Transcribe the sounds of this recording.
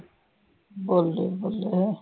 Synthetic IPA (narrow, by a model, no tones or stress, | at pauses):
bolːḛbolːe